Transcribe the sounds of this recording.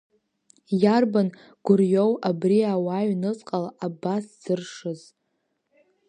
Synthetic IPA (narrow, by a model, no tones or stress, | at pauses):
jarban | ɡ̥ʷʊrjowabriawaɥnɨt͡sʼqʼalaʔabasz̥ɨrʂɨz